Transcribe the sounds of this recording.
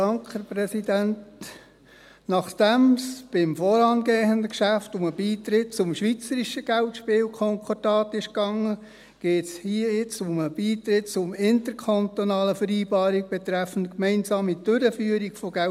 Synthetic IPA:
dɑŋkhæɾpɾɛsidænt | nɑχd̥æmsb̥ɪmfɔːɾɑnɡeːɦəndəkʃæftʊməbiːt̪ɾɪt̚t͡sʊmʃʋit͡səɾiʃəɡ̥æltʃpɪːwkʰɔŋkʰɔdɑːtɪʃkɑŋə | ɡ̥eːtshiəɪt͡sʊməb̥iːt̪ɾɪt̚t͡sʊmɪntəɾkʰont̪onɑːləfəɾiːbɑːɾiɡ̚b̥ɛt̪ɾæfn̩tkmɛɪnsɑːmid̥øɾəfyːəɾiɡfɔɡ̥æ

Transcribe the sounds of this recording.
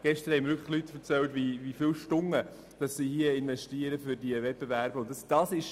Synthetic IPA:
ɡ̥ɛʃtəɾhɛɪmɾʋʏkʰə̥χlytːfəɾt͡sɛltʋiʋifɪlʃtʊŋːə | d̥ɑsːihiəɪnvɛʃtiəɾəfʏɾdiəʋɛt̚b̥evæɾb̥əʊntɑsd̥ɑsɪʃ

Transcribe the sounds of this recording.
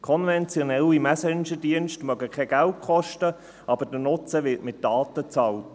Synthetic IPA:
kʰɔnvɛnt͡sjɔnɛlimæsɛnʃədiənʃtmœɡəkʰɛɡ̥ælt̚kʰɔʃtə | ɑb̥əɾd̥ənʊt͡səʋɪtmɪt̚dɑːt̪ət͡sɑlt

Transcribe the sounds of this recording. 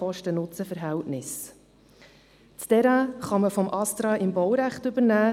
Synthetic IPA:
ɔʃtənʊt͡səfəɾɦæltnɪs | t͡stɛɾaχɑməfɔmʔɑst̪ɾɑːʔɪmbɔwɾæχtʏbəɾnæː

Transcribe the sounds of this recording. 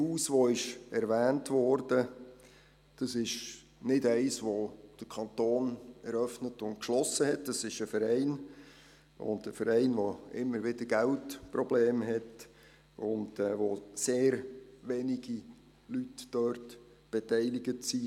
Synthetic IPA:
huːsʋoɪʃɛɾʋæːntʋɔːɾd̥ə | d̥ɑsɪʃ | nɪdæɪsʋod̥əkʰɑntoːnɛɾœfnətʊntkʃlɔsəhɛt̚dɑsɪʃəfəɾɛɪn | ʊ̰ndəfəɾɛɪnʋoɪ̰mːəɾʋɪdəɾɡæltprɔbleːmɦɛt | ʊndɛːʋoseːɾʋɛniɡi | lytd̥œrt | b̥ɛtɛɪlɪɡətsi

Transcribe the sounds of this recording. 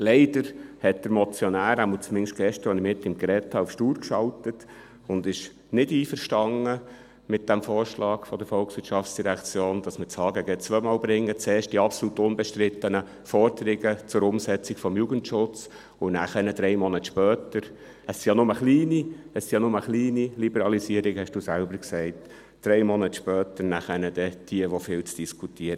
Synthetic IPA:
lɛɪdəɾhɛt̚d̥̪əɾmɔt͡sjɔnæːɾæmut͡smɪŋʃɡ̥ɛʃt̪əɾʋɔnɪmɪt̪ːɪmɡɾɛthɑːufʃtuːɾkʃɑltət | ʊnd̪ɪʃ | nɪdiːfəɾʃtɑŋːə | mɪt̚d̥æmfɔːɾʃlɑːɡ̥fɔd̥əɾfɔlksʋɪtʃɑftt͡ssd̥iɾɛkt͡sjoːnd̥ɑsmət͡shɑːɡəɡət͡sʋœʏmɑːlbɾɪŋːət͡sɛːʃt̚d̥iɑpsolut̪ʊnbɛʃtɾɪt̪ːənə | fɔɾd̥̪əɾɪɡət͡sʊɾʊmsɛt͡sɪɡfɔmjuɡəntʃʊt͡s | ʊnæ̰χənəd̥ɾɛɪmɔnət̪ʃpœːt̪əɾ | əsijɑnʊməχliːniəsijɑnʊməχliːnilibɛɾɑlisiəɾɪkhɛʃd̥uːsælbəɾksɛɪt | d̥ɾɛɪmɔnətʃpœːtəɾnæχənəd̥̪ɛd̥iəʋofɪːlt͡sd̥iskʰutiəɾə

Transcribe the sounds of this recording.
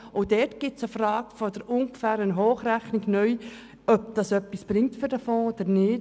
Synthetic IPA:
ʊdɛtɡ̥ɪsəfɾɑːɡ̥əfɔdəɾʊŋkfæːɾənɦoːχræχniɡnœʏ | œpd̥ɑsœpːisb̥ɾɪŋtfʏɾd̥æfɔ̃ːod̪̥əɾnɪːt

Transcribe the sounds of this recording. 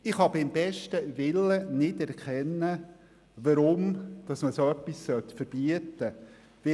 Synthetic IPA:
ɪχhɑbɪmbɛʃtəʋɪlːənɪdɛɾkʰχɛnːə | ʋɑɾʊmd̥ɑsməsoœpːissœt̪fəɾb̥iətːə | ʋɪ

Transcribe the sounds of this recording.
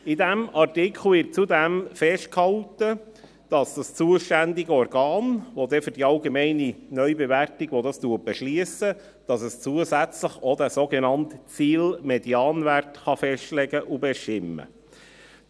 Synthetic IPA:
idæmɑrtikʰχl̩ʋɪɾt̚t͡sudæmfɛʃt̚khɑltə | d̥ɑsd̥ɑst͡suəʃtændiɡəɔɾɡɑːnʋod̪ɛfʏɾdiɑlɡemɛɪninœʏɥbɛværtiɡʋodɑstuət̚b̥ɛʃliəsə | d̥ɑsəst͡suəzæt͡sləχod̪æsoɡenɑntt͡siːlmɛdjɑːnværtχɑfɛʃtlɛɡəʔubɛʃtɪmːə̰

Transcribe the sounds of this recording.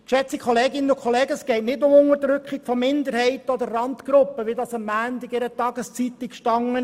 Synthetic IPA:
ʃɛt͡sikʰχɔleːɡɪnənʊkʰχɔleːɡəəskɛɪtnɪtnʊmʊŋədɾʏkχikfɔmɪnd̪əɾhɛɪtəɔd̪əɾːɑntɡ̥ɾʊpːəʋidɑːsɑmːæːntɪɡɪɾətɑɡ̥əst͡sit̪ikʃtɑŋə

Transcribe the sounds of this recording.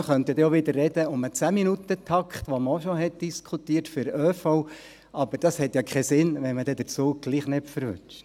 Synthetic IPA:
əχœnt̪jɑd̪ɛoʋɪd̪ərːɛdəʊmət͡sæːminut̪ətʰɑkχt̪ʋoməoʃɔɦɛt̚d̪̥iskʰut̪iːɾtfʏɾøːfɔʊ | ʔɑbəɾd̥ɑshɛt̪jɑkʰχɛsɪnʋɛnmədɛd̥̪əɾt͡suːɡ̥liːχnɛpfəɾʋʏ̰t͡ʃt͡ʃ

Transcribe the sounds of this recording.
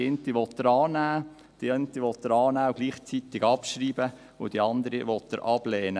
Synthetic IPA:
ɪnt̪iʋɔt̪ːəɾɑːnæː | d̥ient̪iʋɔt̪ːəɾɑːnæːʊɡ̥liːχt͡sit̪ɪɡɑpʃɾiːbə | ʊd̥iɑnd̪əɾiʋɔt̪ːə̰ɾʔɑb̥lɛːnə

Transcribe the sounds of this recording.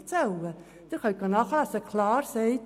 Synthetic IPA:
t͡sɛlə | d̥ɪχœɡɑnɑχlɑsəkʰlɑːɾsɛɪt

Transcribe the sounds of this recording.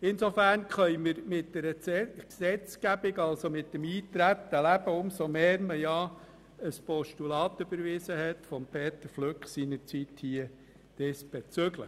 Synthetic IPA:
ɪnsofæɾnkχœjməɾmɪt̚d̥ɛɾəksɛt͡skæb̥ɪɡɑlsomɪt̚dəmiːt̪ɾætːəlæb̥əʊmsomeːɾməjɑ | əspɔʃtulɑːt̪ːøb̥əɾvɪsəhɛtfɔmpʰeːt̪əɾfløkχsinəɾt͡sithiːə | d̥ɛsb̥et͡søɡlə

